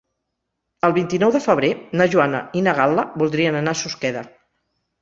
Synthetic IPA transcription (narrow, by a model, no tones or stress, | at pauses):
əlˠβint̪inɔwðəfəβɾenaʒuanə̰inəɣ̞alˠəbulˠd̪ɾiənənasuskɛðə